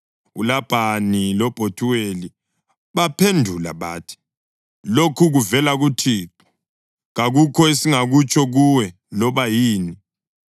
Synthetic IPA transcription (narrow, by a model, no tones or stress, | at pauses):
ulab̥ʱanilɔb̥ʱotʰuweli | βapʰendʱula̰βaːtʰi̥ | lokʰuɣuvɛlaɣutʰiːǁɔ̥ | ɣaɣukʰɔesiŋaɣut͡ʃʼɔɣuwɛ | lɔβajiːni